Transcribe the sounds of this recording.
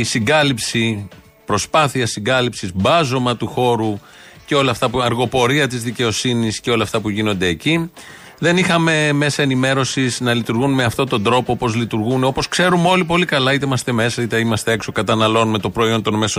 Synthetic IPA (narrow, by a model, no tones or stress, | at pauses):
siŋɡɐlipsi | pɾo̞spɐθiɐsiŋɡɐlipsizbɐzo̞mɐt̪uxo̞ɾu | ce̞o̞lɐft̪ɐpuɐɾɣo̞po̞ɾiɐt̪izðice̞o̞sinisceo̞lɐːft̪ɐpuʝino̞nd̪e̞ːci | ðe̞nixɐme̞me̞sɐenime̞ɾo̞siznɐlit̪uɾɣunme̞ɐft̪o̞t̪o̞nd̪ɾo̞poopo̞zlit̪uɾɣuneo̞po̞skse̞ɾumo̞lip̬o̞likɐlɐit̪eimɐst̪e̞me̞sɐit̪eimɐst̪e̞e̞kso̞kɐt̪ɐnɐlo̞nme̞t̪o̞pɾo̞io̞nt̪o̞nme̞so